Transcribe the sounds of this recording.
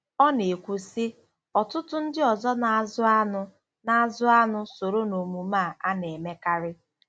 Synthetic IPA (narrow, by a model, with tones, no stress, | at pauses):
ɔ˦ne˨kʷu˨si˦ | ɔ˨tʊ˦tʊ˦n̩˦dɪ˦ɔ˨zɔ˦na˨˦zʊ˦a˦nʊ˦ | na˦zʊ˦a˦nʊ˦so˨ɾo˦no˨mu˨ma˦˨ʔa˦ne˨me˦ka˦ɾɪ˦